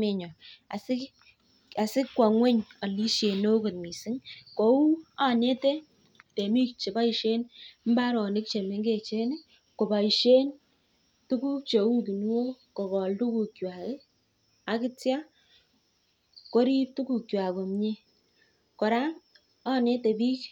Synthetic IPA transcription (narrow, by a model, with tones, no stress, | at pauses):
me˦˨ɲɔ˨a̰˨sɪ˦ | a˨sɪ˦kːwa˨ŋwe˦ɲɔ˨li˦ʃe˨no˦ko˨t̚mi˨sɪ˦ŋko˨u˦a˦˨ne˦te˦ | te˨mi˦kt͡ʃe˨ba˦i˨ʃe˦nm̩˦ba˦ɾɔ˨nɪ˦k̚t͡ʃe˨me˦ŋɡe˦˨t͡ʃe˦ne˦ | ko˨ba˨i˨ʃe˦n | tu˦ku˦k̚t͡ʃe˨u˦tu˨n˦wo˦ko˨kɔ˨ldu˦ku˨kjwa˨ke˦ | a˨kɪ˦tja˦ | ko˦ɾi˦p̚tu˦ku˨kjwa˨ko˨mɲe˦ | kɔ˨ɾa˦ŋ | a˦˨ne˦te˨bi˦k